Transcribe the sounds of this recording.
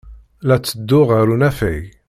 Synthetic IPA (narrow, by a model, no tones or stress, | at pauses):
læt͡sːəd̪ːʊʁaɾunæfæ̰j